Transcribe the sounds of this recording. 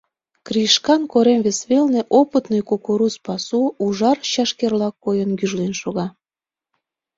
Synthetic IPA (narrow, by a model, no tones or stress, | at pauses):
kriʃkɑnkoɾemβesβelnĕʔopət̪nəjkokuɾuspɑsuuʒɑrɕɑʃkerlɑkːojənkyʒlinʃoɣɑ